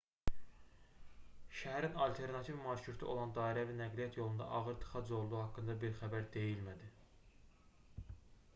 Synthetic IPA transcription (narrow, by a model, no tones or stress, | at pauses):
ʃæɦæɾinɑlt̪ʰe̞ɾnɑt̪ʰivmɑɾt͡ʃʰɾuɾt̪ʰiʔo̞̰lˠɑnd̪ɑːiɾævinæɡlijɑt̪ʰjo̞lˠund̪ɑ̰ʔɑɣɯɾt̪ʰɯ̥χɑd͡ʒo̞lˠd̪uhɑkːɯnd̪ɑbiɾχæbæɾd̪e̞jilmæd̪i